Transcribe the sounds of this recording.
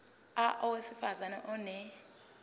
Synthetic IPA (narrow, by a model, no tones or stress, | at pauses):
aʔɔwesifazanɛʔɔnɛ